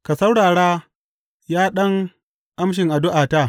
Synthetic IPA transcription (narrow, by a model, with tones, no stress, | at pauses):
ka˨sɐ˦wɽaː˨ɽaː˦ | jaː˦ɗɐ˦ŋ | ʔa˦mʃ̬ɪ˨ŋʔa˨dʊ˦ʔaː˨ta˦˨